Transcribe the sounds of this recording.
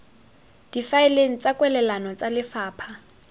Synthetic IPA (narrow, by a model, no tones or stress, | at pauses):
d̥ifaɪleŋ̩t͡sʼakʼwɛlɛlanɔt͡sʼalɪfaːpʰa